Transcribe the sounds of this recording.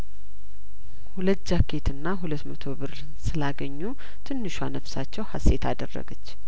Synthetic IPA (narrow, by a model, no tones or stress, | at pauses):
hulət̪̚ːd͡ʒakʰːe̞t̪ʰɨnːaɦulət̪ːmət̪ʰo̞βɨɾ | sɨlaɡəɲːu | t̪ʰɨnːɨʃwanəβsat͡ʃːɛwhase̞t̪ʰad̪ə̰rːə̰ɡət͡ʃː